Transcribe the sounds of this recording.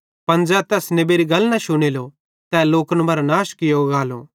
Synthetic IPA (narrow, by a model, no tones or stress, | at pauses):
pɐnd͡ʒɛːt̪ɛːsnebeːɾiɡɐlnaʃʊɽ̃eːlo | t̪ɛːloːkənmɐɾnaːʃkɪjoɡaːlo